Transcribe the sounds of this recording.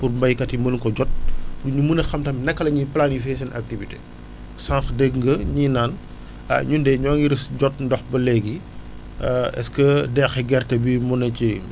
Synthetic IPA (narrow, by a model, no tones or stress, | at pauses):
purmbɐjkɐtimɐluŋkɔɟɔt̚duɲumunɐxɐmtɐmnɛkːɐlɐɲiplanifɛsɛna̰k̚tivitḛ | sãŋxdɛɡŋɡəɲinaːn | a̰ɲundɛɲɔːŋiɾisɟɔt̚ndɔxbɐlɛɡi | ɛ̰skədɛːxɛɡɛrtɐbimɔnɐci